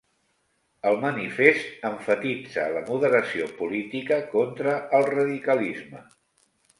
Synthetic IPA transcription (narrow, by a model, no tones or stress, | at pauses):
əlˠmənifest̪əɱfət̪id͡zələmuðəɾəsiopulit̪ikəkɔnt̪ɾəːlˠrəðikəlizmə